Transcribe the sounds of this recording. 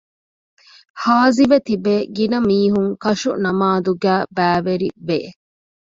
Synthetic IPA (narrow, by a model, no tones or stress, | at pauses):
haːziʋet̪ibeːɡinɐmiːɦuŋkɐʃunɐmaːd̪uɡæːbæːʋeɾḭʋe